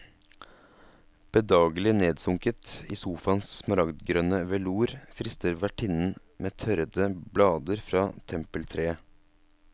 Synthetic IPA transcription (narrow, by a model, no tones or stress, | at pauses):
b̥əd̪ɑːɡlɪneːd̪sʊŋkət̪iːsuːfɑnssmɑɾɑɡd̪ɡɾøːnəʋɛluːɾfɾɪst̪əɾʋæʈʰɪnn̩ | meːt̪ʰœɾəd̪əblɑːd̪əɾfɾɑːt̪ʰɛmpəlt̪ʰɾeːə